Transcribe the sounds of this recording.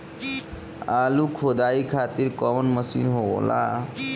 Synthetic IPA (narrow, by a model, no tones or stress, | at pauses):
aːlukʰoːd̪aːikʰaːt̪iɾkɔʋnməsḭnɦoo̰la̰